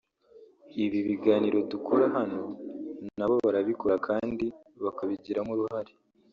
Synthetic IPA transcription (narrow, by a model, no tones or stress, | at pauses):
iβiβiɡaːniɾo̞dukʰoɾaɦano̞naβo̞βaɾaβiko̞ɾakʰaːndi | βakaβiɟiɾamuɾuɦaɾi̥